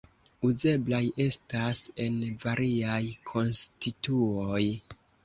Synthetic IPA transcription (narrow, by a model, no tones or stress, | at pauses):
uze̞blaje̞stase̞nvaɾʔiajkʰo̞nstituoj